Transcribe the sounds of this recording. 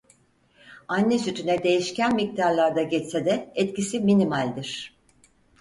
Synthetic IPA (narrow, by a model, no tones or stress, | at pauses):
anːɛsyt̪ʰynɛd̪e̞jiʃcænmic̚t̪aɾlˠaɾd̪aɟɛt͡ʃsɛd̪ɛɛt̪cisiminimalʲd̪iɾ̝̥